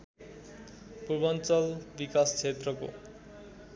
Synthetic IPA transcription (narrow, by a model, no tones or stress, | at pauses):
purbʌnt͡sʌlbikast͡sʰet̪rʌko̰